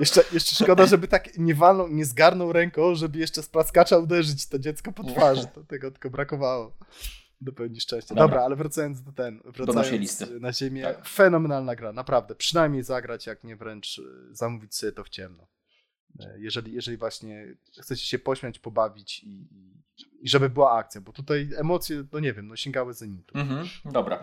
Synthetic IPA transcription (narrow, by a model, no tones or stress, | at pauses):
jɛʂt͡ʂɛjɛʂt͡ʂɛʂkɔd̪aʐɛbɘt̪akɲɛvalnɔ̃wɲɛzɡaɾnɔ̃wɾɛŋkɔ̃ʐɛbɘjɛʂt͡ʂɛspɾaskat͡ʂaud̪ɛʐɘt͡ɕt̪ɔd͡ʑɛt̪skɔpɔt̪faʐɨt̪ɔt̪ɛɡɔt̪ɘ̥kɔbɾakɔvawɔ | d̪ɔpɛwɲiʂt͡ʂɛ̃w̃ɕt͡ɕɛdd̪ɔbɾaalɛvɾat̪sajɔnt̪zd̪at̪ɛnvɾaajɔisnaʑemʲjɛfɛnɔmɛnalnaɡɾanapɾavd̪ɛpʂɨnajmɲejzaɡɾat͡ɕjakɲɛvɾɛnt͡ʂzamuvʲit͡ɕsɛt̪ɔft͡ɕɛmnɔ̰ | jɛʐɛlʲijɛʐɛlʲivwaɕɲɛ | xt̪sɛt͡ɕɛ̥ɕɛpɔɕmʲjat͡ɕpɔbavʲit͡ɕiː | ʐɛbɘbɘwaak̚t̪sjabɔt̪ut̪ajɛmɔt̪sʲjɛnɔɲɛvʲjɛmnɔɕɛŋɡawɘzaɲit̪ud̪ɔbɾa̰